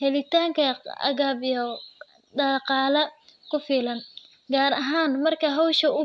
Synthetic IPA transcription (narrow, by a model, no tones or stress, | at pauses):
hɛlɪt̪ʰaːŋkʰɐɐ̰ɣaːbɔ | ɖɑqɑːlɐkʰʊfiːlɐn | ɡaːɾɐɦaːnmɐrkʰɐɦɔwʃɐʊ